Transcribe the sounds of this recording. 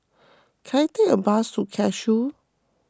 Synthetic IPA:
kʰajt̪eʔəbasukʰɛʃu

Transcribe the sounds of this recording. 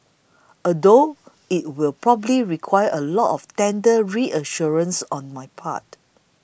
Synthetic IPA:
ədo | it̚wilpɹɔbəbliɹikʰwajəʔəlɔtɔftɛ̃ndəɹiʔəʃuɹə̃nsɔ̃nmajpʰa̰t

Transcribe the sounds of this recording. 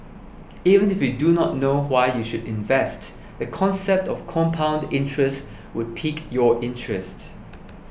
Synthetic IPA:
ivə̃nɪfjudunɔt̚nowaɪjuʃudɪ̃nvɛst | dəkʰɔ̃nsɛp̚tɔfkʰɔ̃mpʰãʊ̃ndɪ̃ntʰɹɛst | wʊd̚pʰikjɔʔɪ̃ntʰɹɛst

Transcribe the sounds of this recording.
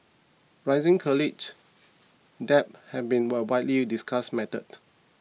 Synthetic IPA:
ɹaɪzɪ̃ŋkʰɔlɪt͡ʃ | dɛp̚hɛfbĩnwɛwajtlidiskʰasmɛtəd

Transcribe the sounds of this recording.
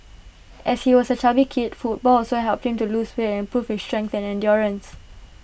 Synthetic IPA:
ʔɛshiwɔsət͡ʃabikʰitfut̚bɔlɔsoɦɛlp̚t̚hĩmtulusweɛ̃npɹufhistɹɛ̃ŋk̚θɛ̃nɛ̃ndjɔɹə̃ns

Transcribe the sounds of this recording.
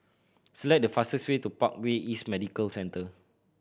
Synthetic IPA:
səlɛk̚dəfasəswetupak̚weʔismɛdikəlsɛ̃ntə

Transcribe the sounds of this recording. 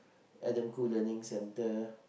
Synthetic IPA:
ʔɛdə̃mkulənɪ̃ŋsɛ̃ntə

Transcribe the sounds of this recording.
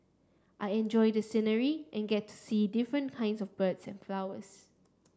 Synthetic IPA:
ʔajɛ̃nd͡ʒɔjdəsinəɹiʔɛ̃nɡɛtʰːu̥sidifɹə̃nkʰãɪ̃ndsɔfbətsɛ̰̃nflawəs

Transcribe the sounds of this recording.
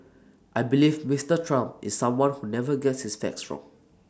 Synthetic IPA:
ʔajbilivmistətʰɹãmpʔḭsːãmwãnhunɛvəɡɛtshisfɛ̰ksɹɔ̰̃ŋ

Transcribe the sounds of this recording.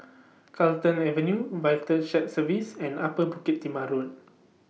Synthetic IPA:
kʰaltə̃nɛvənjuvajtəʃɛt̚səvisɛ̃napəbukit̪̚ːimaɾun

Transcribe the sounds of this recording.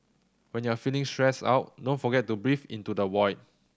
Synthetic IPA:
wɛ̃njuafilĩŋstɹɛsa̰ʊt̚dõnfɔɡɛt̚ːubɹifḭ̃ntudəwɔjt̚

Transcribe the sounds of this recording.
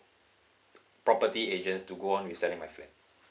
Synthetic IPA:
pɹɔpətied͡ʒə̃nstuɡoɔ̃nwisɛlɪ̃ŋmajflɛ̰t̚

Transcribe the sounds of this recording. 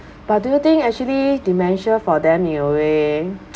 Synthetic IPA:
b̥at̚dujut̪ĩŋɛk̚t͡ʃuəlidimɛ̃nʃə̃fɔdɛ̃mĩnəwe

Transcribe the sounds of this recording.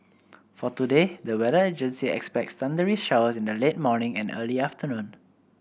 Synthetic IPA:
fɔtudedəwɛdəed͡ʒə̃nsiɛ̰kspɛk̚tstãndəɹisʃawəsĩndəlet̚mɔnɪ̃ŋɛ̃nə̰liaftənũn

